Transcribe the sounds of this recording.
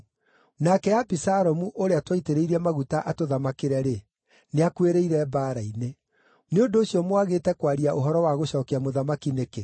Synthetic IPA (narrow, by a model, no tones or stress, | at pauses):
nakɛabisaɾɔmuʔoɾeatwaiteɾeiɾɛmaɣutaʔatoðamakeɾɛɾe | neakweɾeiɾɛbaːɾaine | neondoːɕjɔmowaɣeːtɛkwaɾiaʔoɦɔɾɔwaɣoɕɔːkeamoðamakineke